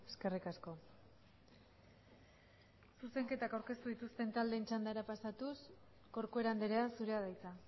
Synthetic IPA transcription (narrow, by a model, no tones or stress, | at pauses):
eske̞rikasko̞ | suse̞ŋke̞t̪akawɾke̞st̪uðit̪ust̪e̞nt̪ald̪eːnt͡ʃand̪aeɾapasat̪us | ko̞ɾkoe̞ɾand̪e̞ɾe̞asuɾe̞að̞ajt͡sa